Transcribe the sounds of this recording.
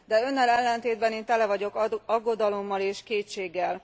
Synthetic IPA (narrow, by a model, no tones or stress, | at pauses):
d̪ɛø̞nːɛlɛlːɛnt̪eːd̪̚bɛneːnt̪ɛlɛvɒɟo̞kɒɡːo̞d̪ɒlo̞mːɒleːʃkeːt͡ʃeːɡːɛl